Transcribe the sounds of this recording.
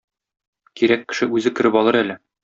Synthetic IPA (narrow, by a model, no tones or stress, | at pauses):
kiɾækːɘ̥̆ʃɘʉzɘkɘ̆ɾɘpɒlˠɤɾælɘ